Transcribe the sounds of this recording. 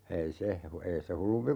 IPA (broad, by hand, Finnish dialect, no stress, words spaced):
ei se hu ei se hulːumpi